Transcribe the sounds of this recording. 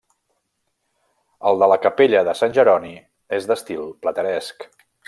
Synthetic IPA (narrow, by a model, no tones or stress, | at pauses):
əlˠd̪ələkəpeʎəðəsanʲʒəɾɔni | ezd̪əst̪ilˠplət̪əɾɛsk